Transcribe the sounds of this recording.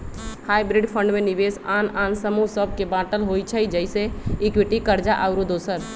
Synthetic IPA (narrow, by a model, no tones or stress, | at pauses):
haːjbɾiɖpʰə̃ɳɖmenibesaːnaːnsəmusəb̚ʱkebãʈəlɦojt͡ʃʰəjd͡ʒəɪseikwiʈikəɾd͡ʒaʔaʊɾud̪osəɾ